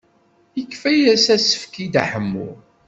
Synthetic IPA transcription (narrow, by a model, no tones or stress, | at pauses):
əkːfæjæsæsə̥fkid̪a̰ħəmːṵ